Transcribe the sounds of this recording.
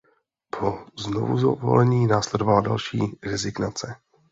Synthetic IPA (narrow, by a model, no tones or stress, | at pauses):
pʰo̞znovuzovo̰lɛɲiːnaːslɛdovalada̰lʃiːɾɛzɪɡnat͡sɛ